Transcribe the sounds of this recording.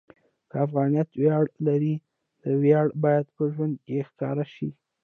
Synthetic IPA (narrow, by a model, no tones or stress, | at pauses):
kəafɣɑnijɑt̪wjɑɽlaɾi | d̪̥əwjɑɽbɑjad̪pəʒwand̪̚kexkɑɾaʃi